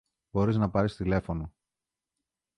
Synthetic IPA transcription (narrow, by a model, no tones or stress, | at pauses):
b̥o̞ɾiznɐpɐɾist̪ile̞fo̞no̞